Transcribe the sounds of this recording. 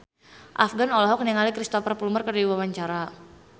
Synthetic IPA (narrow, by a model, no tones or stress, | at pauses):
ʔa̰fɡanɔlɔɦɔk̚niŋalikɾist̪ɔfərpulumərkərdiwawaɲt͡ʃaɾa